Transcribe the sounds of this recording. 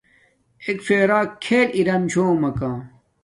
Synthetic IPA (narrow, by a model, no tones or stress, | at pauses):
ekfeːɾaːkʰeːliɾɐmt͡ɕʰoːmɐkãː